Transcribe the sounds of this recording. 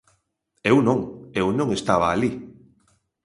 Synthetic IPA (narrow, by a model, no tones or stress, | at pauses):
ewnõŋewnõŋest̪aβ̞aːli